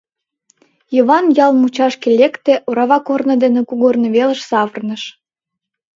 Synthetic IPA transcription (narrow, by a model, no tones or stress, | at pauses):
jəβɑnjɑlmut͡ɕɑʃkelʲekt̪eʔoɾɑβɑkornə̆d̪enekuɣornəβelə̆ʃsɑβərnəʃ